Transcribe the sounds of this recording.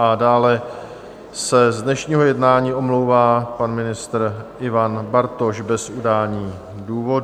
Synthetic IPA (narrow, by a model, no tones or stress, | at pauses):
adaːlɛ | sɛzdnɛʃɲiːɦo̞jɛdnaːɲiːʔo̞mlowvaːpanmɪnɪst̪ɾʔɪvanbaɾt̪oʃbɛsudaːlɲiː | duːvo̞